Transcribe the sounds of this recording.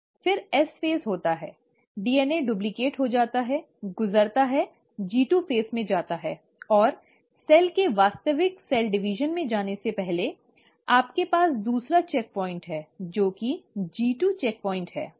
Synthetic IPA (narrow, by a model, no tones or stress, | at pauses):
fɪɾɛsfeːzɦoːt̪aɦɛː | ɖiːɛneɖʊblɪkeːʈɦod͡ʒaːt̪aɦɛ | ɡʊzəɾt̪aɦɛ | d͡ʒiːʈuːpʰeːsmẽd͡ʒaːt̪aɦɛː | ɔːɾ | sɛːlkeʋaːst̪əʋɪksɛːlɖɪʋiʒənmẽd͡ʒaːnesepɛɦle | aːpkepaːsd̪uːsɾat͡ʃɛːk̚pɔːɪ̃ɳʈɦɛːd͡ʒoːkid͡ʒiːʈuːt͡ʃɛːk̚pɔːɪ̃ɳʈɦɛ̰ː